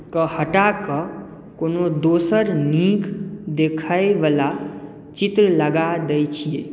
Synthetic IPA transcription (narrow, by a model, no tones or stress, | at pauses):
kəhəʈakə | koːnod̪oːsəɾnĩkd̪ekʰəjʋəla | t͡ʃɪt̪ɾələɡad̪əjt͡ʃʰije